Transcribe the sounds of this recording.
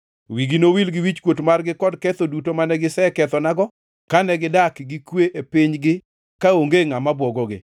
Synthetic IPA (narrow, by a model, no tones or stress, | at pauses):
wiɡinowilɡɪwit͡ʃkwotmarɡɪkɔdkɛt̪odutomanɛɡɪsɛkɛt̪ɔnaɡɔ | kanɛɡɪdakɡɪkweʔepɪɲɡɪ | kaoŋɡeŋamabwɔɡɔɡɪ̰